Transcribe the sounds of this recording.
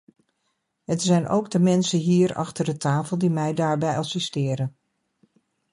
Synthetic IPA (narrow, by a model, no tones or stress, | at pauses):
ɦətsɛjnʔo̰wɡdəmɛnsənɦiːɹɑ̰χtəɹdətaːfəlˠdimɛjdaːɹbɛjɑsɪstɪːɾən